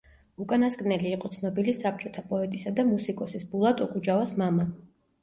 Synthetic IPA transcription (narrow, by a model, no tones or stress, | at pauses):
ukʼanaskʼnɛliːqʼɔt̪sʰnɔbilisap̚t͡ʃʼɔt̪ʰapʼɔɛt̪ʼisad̪amusikʼɔsisbulˠat̪ʼɔkʼud͡ʒavasmama